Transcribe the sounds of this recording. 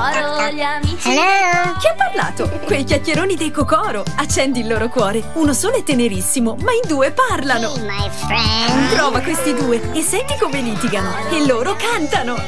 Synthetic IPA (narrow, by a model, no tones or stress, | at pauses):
aoʎamiːt͡ʃik̟iapːarla̰ːt̪okwejkjakːjeɾoːnid̪ejkokɔːɾoat͡ʃːɛnd̪ilːoːɾokwɔːɾeunosoːloɛt̪ːeneɾisːimomaind̪uːeparlanomafɛimp̪ɾɔːvakwest̪id̪uːeesːɛnt̪ikomeliːt̪iɡano | elːoːɾokant̪ano